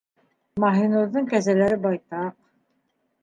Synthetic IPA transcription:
mɑɦinuɾðɤɴkæzælæɾɘbɑjt̪ɑq

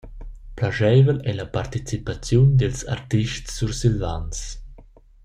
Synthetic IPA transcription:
plaʒɛːvəlɛlapart̪it͡sipat͡sjund̪ɛlsa̰rt̪iʃtsːuɾsilvans

